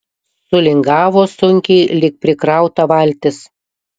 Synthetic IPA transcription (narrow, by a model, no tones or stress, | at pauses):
sʊlʲɪŋɡɑːʋoːsʊŋʲkʲeːlʲɪk̚pʲɾʲɪkɾɑˑʊt̪ɐʋɐlʲt̪ʲɪs